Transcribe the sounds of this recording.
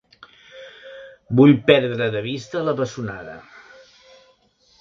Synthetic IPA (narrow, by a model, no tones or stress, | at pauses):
buʎpɛɾðɾəðəβ̞ist̪ələβəsuna̰ðə̰